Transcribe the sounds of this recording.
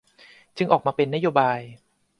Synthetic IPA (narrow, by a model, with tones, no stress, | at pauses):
t͡ɕɯ˧ŋʔɔː˨˩k̚maː˧pe˧nːa˦˥joː˧baː˧j